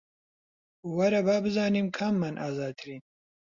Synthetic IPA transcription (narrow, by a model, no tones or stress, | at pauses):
wɐɾɐbaːbɨzaːniːmkʰɐmːanʔaːzaːd̪̚t̪ʰɾin